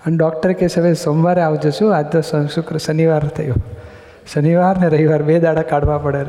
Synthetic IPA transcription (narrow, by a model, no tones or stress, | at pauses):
ənɖɔk̚ʈəɾkesəʋesomʋaɾeaʋd͡ʒut͡ʃũad͡ʒnosəʃukɾəʃəniʋaɾt̪ʰəjõ | səniʋaɾneɾəɦiʋaɾbed̪aɽakaɽʋãpəɽe